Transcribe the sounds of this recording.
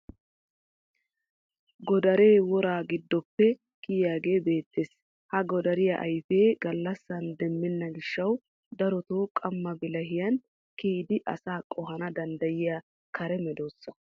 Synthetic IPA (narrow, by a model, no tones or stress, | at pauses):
ɡɔd̪ɐɾe̞ːwɔɾaːɡɪd̪ːɔpːɛ | kɪjjaːɡe̞ːbe̞ːt̪ːeːs | hɐɡɔd̪ɐɾɪjɐʔɐ̰jfeːɡɐlːɐsːɐnd̪ɛmːɛnːɐɡɪʃːɐw | d̪ɐɾɔt̪oːkʼɐmːɐbɪlɐɦɪjɐn | kiːd̪ɪʔɐ̰saːkʼɔɦɐnɐd̪ɐnd̪ɐjɪja | kʰɐɾɛmɛd̪oːsːɐ̥